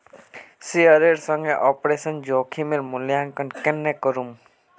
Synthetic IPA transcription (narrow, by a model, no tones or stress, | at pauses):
siəɾeːɾsə̃ŋɡeʔɔːpɾeːsənd͡ʒoːkʰimeɾmʊljãːŋkəɳkenːekəɾum